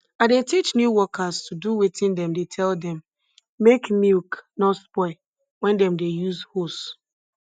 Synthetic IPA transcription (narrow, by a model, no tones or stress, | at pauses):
adetit͡ʃnjuwɔkʰaztʰuduwetĩndɛ̃mdetʰɛldɛ̃mː | ekmilknɔtspɔɪ | wɛ̃ndɛ̃mdejuzhost